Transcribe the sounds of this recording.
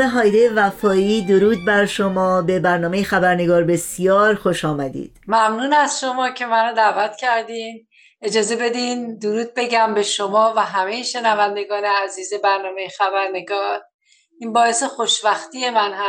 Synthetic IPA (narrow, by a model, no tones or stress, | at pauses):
eɦɒːjd̪ejevæfɒːiːd̪o̞ɾuːd̪̚bæɾʃomɒːbe̞bæɾnɒːme̞jexæbæɾne̞ɡɒːɾbe̞sijɒːɾxoʃɒːmæd̪ḭːd̪̥mæmnuːnæz̥ʃo̞mɒːcʰe̞mæɾod̪ævæt̪ʰcʰæɾd̪im | e̞d͡ʒɒːze̞be̞d̪ind̪oɾuːd̪̚be̞ɟæmbe̞ʃomɒːvæɦæmejeʃe̞nævænd̪e̞ɡɒːneæziːze̞bæɾnɒːmejexæbæɾne̞ɡɒːɾ | inbɒːe̞se̞xoʃvæxt̪ije̞mænɦæ